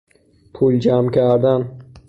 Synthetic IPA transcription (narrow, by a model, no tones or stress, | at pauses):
pʰuld͡ʒæmkʰæɾd̪æn